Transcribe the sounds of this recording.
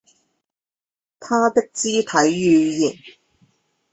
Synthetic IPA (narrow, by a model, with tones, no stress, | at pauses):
t̪ʰaː˥t̪ɪ˥k̚t͡siː˥t̪ʰɐ˨˥jɥyː˧jiː˨˩n